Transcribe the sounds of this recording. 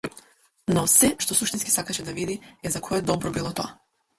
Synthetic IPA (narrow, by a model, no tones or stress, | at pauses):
nɔsɛʃt̪ɔsuʃt̪inskʲi̥sakaʃɛd̪avid̪iɛzakʰɔɛd̪ɔbɾɔbilˠɔt̪ɔa